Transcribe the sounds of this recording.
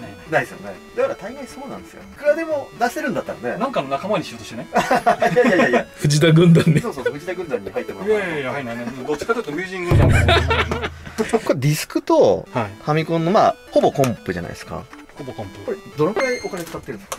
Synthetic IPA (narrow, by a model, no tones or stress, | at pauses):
naisɨjo̞̰ned̪akaɾat̪aiɡẽɲ̃so̞ːnã̰nd̪e̞sɨjo̰kɯ̟ɾad̪e̞mo̞naseɾɯ̟̃nd̪at̪ːaɾane̞nãŋkaːnonakamaɲ̟iɕiot̪oɕit̪eejaajajaɸɯ̟d͡ʑid̪aɡɯ̟̃nd̪aɲːsoːsoːsoɸɯ̟d͡ʑid̪aɡɯ̃nd̪ãɲ̟ːihait̪ːemaainaed̪ot͡ɕːi̥kat̪okiomʲjɨːʑĩŋɡɯd͡ʑane | kodʲisɨ̥kɯ̟t̪ohaikʰamʲikõ̞nːo̞ma̰ːho̞bo̞kõ̞mpɯ̟ʑa̰na̰ḭeska̰ | obokõmpɯkoɾed̪oɾoɡɯ̟ɾaiʔo̞kane̞kkat̪ːeɾɯ̟̃k